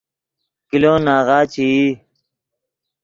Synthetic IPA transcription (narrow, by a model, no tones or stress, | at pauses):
kiloːnaːɣaːt͡ɕʰii